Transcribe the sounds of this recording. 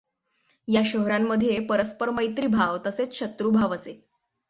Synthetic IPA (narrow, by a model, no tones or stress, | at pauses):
jaɕəɦɾamːəd̪ʱjepəɾəspəɾməjt̪ɾiːbʱaʋt̪əset͡sɕət̪ɾuːbʱaʋəse